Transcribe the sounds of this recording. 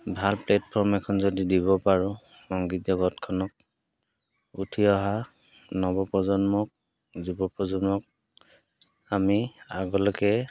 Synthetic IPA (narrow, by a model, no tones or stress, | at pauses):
bʱalplɛtpʰɔɹmɛkʰɔnzodidiβɔpaɹʊ | ɔŋɡitzɔɡɔtkʰɔnɔk̚ | utʰiɔɦa | nɔbɔpɔzɔnmɔk̚ | zubɔpɔzɔnmɔk̚ | amiaɡɔlɔkɛ